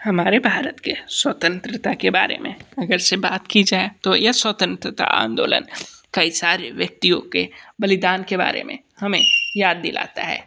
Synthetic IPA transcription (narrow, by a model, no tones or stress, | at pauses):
hɐmaːɾebʱaːɾət̪keswət̪ə̃nt̪ɾət̪akeba̰ːɾḛmḛ̃ɐɡəɾsebaːt̪kid͡ʒaːet̪ojaswət̪ə̃nt̪ɾət̪a̰ʔã̰ːnd̪o̰ːlə̰nkɐisaːɾeʋjɐk̚t̪ijõ̰kebɐlɪd̪aːnkeba̰ːɾḛmḛ̃ | hɐmẽjaːd̪ːɪlʔa̰ːt̪a̰ɦɛ̰ː